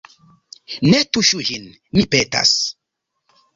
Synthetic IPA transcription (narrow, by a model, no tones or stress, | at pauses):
nɛtuʃuhinː | ipɛta̰s